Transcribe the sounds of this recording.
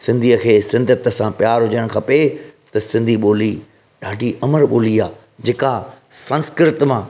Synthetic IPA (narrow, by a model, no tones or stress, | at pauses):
sɪ̃nd̪ʱiːəkʰeːsɪ̃nd̪ʱət̪ə̆sãpjaːɾɦʊd͡ʑəɽ̃kʰɐ̃pet̪ɐsɪ̃nd̪ʱiɓoːli | ɗaːɖʱiʔɐməɾɓoːliaː | d͡ʑeːkasɐ̃nskɪɾɪt̪mãː